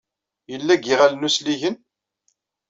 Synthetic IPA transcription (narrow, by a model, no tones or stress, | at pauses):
jəlːæɡiʁælnusliʝən